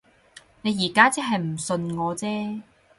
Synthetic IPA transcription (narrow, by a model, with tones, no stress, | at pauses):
ne˨˧jiː˨˩kaː˥t͡sɛ˥ɦɐ˨jm̩˨˩sɵ˧nŋɔː˨˧t͡sɛː˥